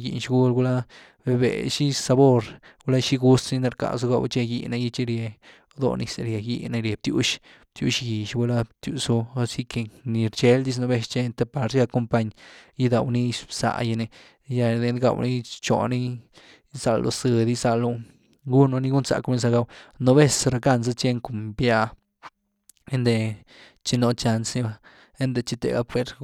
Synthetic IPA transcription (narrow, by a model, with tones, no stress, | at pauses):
jḭ˨nʃɡu˦lɡu˧la˦ | be˧bḛ˨ʃi˦sa˧bo˧ɾɡu˦la˦ʃi˦ɡu˦st̪ni˦na˧ɾka̰˨su˧ɡa˧wt͡ʃe˦˧jḭ˧na˧ji˦t͡ʃi˦ɾje˧ | d̪o̰˦˧nḭ˧se˧ɾje˨ji˦na˧ɾje˨b̚t̪ju˦ʃ | t̪jṵ˦ʃɡi˨ʃbu˧la˦t̪ju˧su˧si˦ke˧ni˧ɾt͡ʃe˦ld̪i˧s̬no˧be˧ʃt͡ʃe˧nt̪e˧pa˧ɾja˧ko˧mpa˧ɲji˦d̪a˨wni˦sa̰˧˨ja˧ne˧ | ja˧d̪e˧nɡa̰˧˨wni˦t͡ʃo̰˨ni˦ | sa˧lo̰˧sɨ˧d̪i˦sa˧lo˧ | ɡu˦no˧ni˦ɡu˦nsa̰˨ku˧ni˦sa˧ɡa˧wno˧be˦sɾa˧ka˦˧˨nz̬a˦t͡ʃe˦ŋku˨mbja˧ | e˦nd̪e˧ | t͡ʃi˧no˧t͡ʃa˧nsni˧ba˧ | e˦nd̪e˧t͡ʃi˧t̪ḛ˨ɡa̰˦pwe˧ɾ